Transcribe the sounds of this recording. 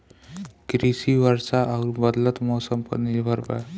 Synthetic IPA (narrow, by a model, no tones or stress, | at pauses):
kɾisiʋəɾsaʔaɾbəd̪lət̪mɔːsəmpə̰ɾniɾbʱəɾba̰